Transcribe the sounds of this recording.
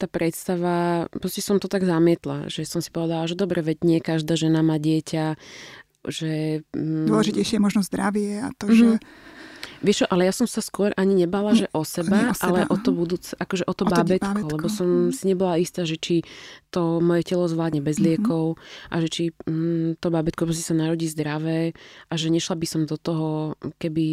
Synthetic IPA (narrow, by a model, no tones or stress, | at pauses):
t̪aːpɾɛt̪st̪aʋapɾɔscɛsɔmt̪ɔt̪aɡzamɪɛt̪la̰ʒɛsɔmsi̥pɔʋɛd̪alaʒɛd̪ɔbɾɛʋɛɟɲɪɛkaʒd̪aːʒɛnamaːɟɪɛca | ʒɛ | ɔlɛʒicɛjʃɪɛɛmɔʒnɔzd̪ɾaʋɪɛa̰t̪ɔmʒɛ | ʋɪɛʃt͡ʃɔʔalɛjasɔmsaskʊɔɾʔaɲiɲɛbaːlaʒɛʔɔsɛbaʔalɛʔɔt̪ɔbud̪uːt͡sɛʔakɔʒɛʔɔt̪ɔbabɛt̪kɔllɛbɔsɔmsiɲɛbɔlaist̪aːʒɛt͡ʃit̪ɔmɔjɛcɛlɔzʋlaːd̪ɲɛbɛzlɪɛkɔʊʔa̰ʒɛt͡ʃit̪ɔbabɛt̪̚kɔpɾɔs̬cːɛsanaɾɔɟiːzd̪ɾaʋɛːʔaʒɛɲɛʃlabisɔmd̪ɔt̪ɔɦɔkɛbi